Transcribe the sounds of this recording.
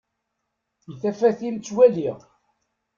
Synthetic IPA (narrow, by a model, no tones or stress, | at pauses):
iθæfæθimt͡sːwæliʁ